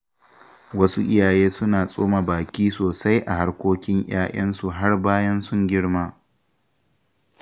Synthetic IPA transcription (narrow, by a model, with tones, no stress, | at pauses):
wɐ˦su˦ʔɪ˦jaː˨jeː˦sʊ˦naː˨sʼoː˦ma˨baː˨kʲiː˦soː˨sa˦jʔa˨ha˦rkʷoː˦kʲɪ˦ŋj̰aː˦j̰ʔɐ˦nsu˨ɦa˦rbaː˦jɐ˦nsʊ˦ŋɡʲɪ˦ɽmaː˦